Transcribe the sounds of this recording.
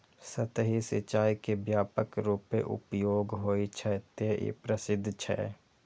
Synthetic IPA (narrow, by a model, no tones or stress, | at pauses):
sət̪ɦisɪ̰t͡ʃaːikebjaːpəkɾuːpeʔʊ̰pjoːɡɦoːit͡ʃʰɛt̪eḭpɾəsɪd̪ʱːt͡ʃʰɛ̰